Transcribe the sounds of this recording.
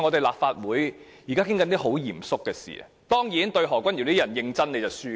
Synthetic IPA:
ŋɔ˨˧t̪e˨jlaː˨p̚faː˧t̚wuː˨˥jjiː˨˩kaː˥kʰɪ˥ŋkɐ˦nt̪iː˥ɦo˨˥wjiː˨˩msʊ˥kːɛː˧sḭː˨˩ | t̪ɔː˥ŋjiː˨˥nt̪ɵ˧ɥɦɔː˨˩kʷɐ˥nji˨˩wt̪i˥jɐ˨˩njɪ˧ŋt͡sɐ˥nne˨˧jt͡sɐ˨˩syː˥

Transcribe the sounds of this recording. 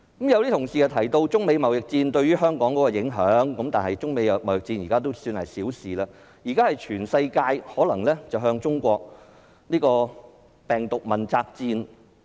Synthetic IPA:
kɐ˨˥mjɐ˨˧wt̪i˥ʊ˨˩ŋsiː˨kɛ˧˩t̪ʰɐ˨˩jt̪o˧wt͡sʊ˥ŋme˨˧jmɐ˨˩wjɪ˨k̚t͡siː˧nt̪ɵ˧ɥyː˥hœː˥ŋkɔː˨˥ŋkɔː˨˥kɔː˧jɪ˨˥ŋɦœː˨˥ŋkɐ˨˥mt̪aː˨nhɐ˨˩jt͡sʊ˥ŋme˨˧jɐ˧mɐ˨˩wjɪ˨k̚t͡siː˧njiː˨kaː˥t̪o˥wsyː˧nhɐ̰˨jsiː˨˥wsiː˨laː˧ | jiː˨kaː˥hɐ˨jt͡ʃʰyː˨˩nsɐ˧jkaː˧jhɔː˨˥lɐ˨˩ŋlɛː˥t͡sɐ˨wɦœː˧ŋt͡sʊ˥ŋkʷɔː˧k̚ | niː˥kɔː˧ | pɛː˨˩ŋt̪ʊ˨k̚mɐ˨˩nt͡saː˧k̚t͡siː˧n

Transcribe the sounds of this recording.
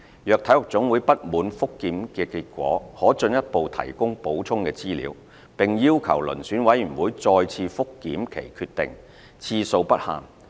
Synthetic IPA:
jœː˨k̚t̪ʰɐ˨˥jhʊ˨˩k̚t͡sʊ˨˥ŋwuː˨˧˥jpɐ˥t̚muː˨˥nfʊ˥kːiː˨˥mkɛː˧kiː˧t̚kʷɔ̰ː˨˥hɔː˨˥t͡sɵ˧njɐ˥t̚po˨˧wt̪ʰɐ̰˨˩jkʊ˥ŋpo˨˥wt͡sʰʊ˥ŋkɛː˧t͡siː˥lḭː˨˥w | pɪ˨ŋjiː˥wkʰɐ̰˨˩wlɵ̰˨˩nsyː˨˥nwɐ˨˥jyː˨˩nwuː˨˥jt͡sɔː˧jt͡sʰiː˧fʊ˥kːiː˨˥mkʰe˨˩jkʰyː˧t̚t̪ɪ˨ŋ | t͡sʰiː˧so˧wpɐ˥t̚ha̰ː˨ŋ

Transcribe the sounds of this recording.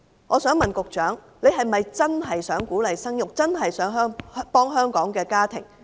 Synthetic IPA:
ŋɔː˨˧sœː˨˥ŋmɐ˨nkʊ˨k̚t͡ʃœː˨˥ŋ | le˨˧jɦɐ˨jmɐ˨jt͡sɐ˥nɦɐ˨jsœː˨˥ŋkuː˨˥lɐ˨jsɐ˥ŋjʊ˨k̚t͡sɐ˥nɦɐ˨jsœː˨˥ŋɦœː˥ŋpɔː˥ŋɦœː˥ŋkɔː˨˥ŋkɛː˧kaː˥t̪ʰɪ̰˨˩ŋ

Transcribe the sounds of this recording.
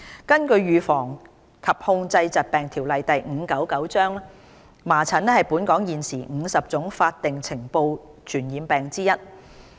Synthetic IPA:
kɐ˥nkɵ˧ɥɥyː˨fɔː˨˩ŋ | kʰɐ˨˩p̚hʊ˧ŋt͡sɐ˧jt͡sɐ˨˩t̚pɛː˨˩ŋt̪ʰiː˨˩wlɐ˨jt̪ɐ˨jŋ̩ː˨˧˥kɐ˨˥wkɐ˨˥wt͡sœː˥ŋɛ˥ | maː˨˩t͡sʰɐ˨˥nɛ˥hɐ˨jpuː˨˥nkɔː˨˥ŋjiː˨nsiː˨˩ŋ̩˨˧sɐ˨p̚t͡sʊ˨˥ŋfaː˧t̚t̪ɪ˨ŋt͡sʰɪ˨˩ŋpo˧w | t͡ʃʰyː˨˩njiː˨˧mpɛː˨ŋt͡siː˥jɐ˥t̚

